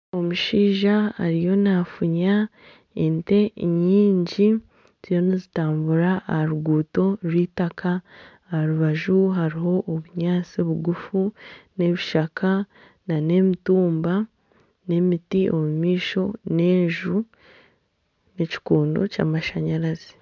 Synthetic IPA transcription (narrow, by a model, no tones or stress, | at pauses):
o̞muʃiːʒaːɾijo̞nafuɲa | ente̞ɲiːɲɟi | z̥ijo̞nizitaːmbuɾaːhaɾuɡuːto̞ɾwiːtakʰaː | haɾuβaʒuɦaɾiɦo̞ʔːβuɲaːt͡sioβuɡufune̞βiʃakʰa | nane̞mituːmba | ne̞mitio̞mumiːʃo̞ne̞ːɲʒu | neci̥kuːndo̞̰ca̰ːmaʃaɲaɾazei̥